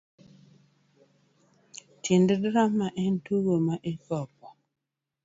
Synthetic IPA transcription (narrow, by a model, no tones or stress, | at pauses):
tʰindədɾamːaʔɛn̩tuɣomaʔekɔp̚ɔ